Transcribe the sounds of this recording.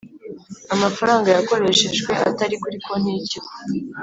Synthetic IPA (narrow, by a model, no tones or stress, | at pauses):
amafaɾaːŋɡajako̞ɾe̞ʃe̞ʒɡwe̞ʔa̰taɾikuɾiko̞n̥iciko